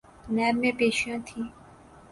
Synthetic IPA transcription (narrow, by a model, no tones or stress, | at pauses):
nɛːɾmẽpeːʃjãt̪ʰi